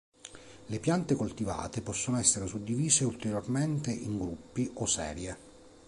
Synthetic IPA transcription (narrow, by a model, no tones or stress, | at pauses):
lepjant̪ekolt̪iva̰ːt̪epɔsːonoɛsːeɾesud̪ːiviːzeult̪eɾjorment̪eʔiŋɡɾupːiʔosɛ̰ːɾje